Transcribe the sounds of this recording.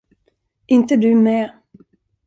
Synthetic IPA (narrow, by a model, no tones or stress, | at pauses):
ɪnt̪əd̪ɵmɛː